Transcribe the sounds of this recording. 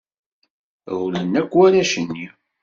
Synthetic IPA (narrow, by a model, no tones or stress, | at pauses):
ulənːækʷːwælæʃənːi